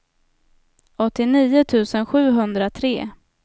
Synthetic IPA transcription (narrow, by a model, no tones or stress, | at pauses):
ɔt̪ːɪniːʊt̪ʰʉ̟ːsənɧʉ̟ːɦɵnd̪ɾat̪ʰɾḛː